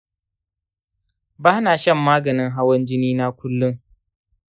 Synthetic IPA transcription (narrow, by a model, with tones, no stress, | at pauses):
baː˦naː˨ʃɐ˦˨mːaː˦ɡɐ˨nɪ˦ŋɦa˦wɐ˦nd͡ʒɪ˦niː˦na˦kʷʊ˦lːʊ˦ŋ